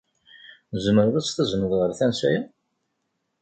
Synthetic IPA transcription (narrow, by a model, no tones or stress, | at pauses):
zəməɾðæt͡sːθæzəmːəðʁəɾθænsæjæ